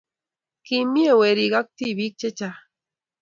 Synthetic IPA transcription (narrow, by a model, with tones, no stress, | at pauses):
kimi˦e˦we˨ɾiɡa˦k̚t̪i˦βi˦k̚t͡ʃe˦t͡ʃa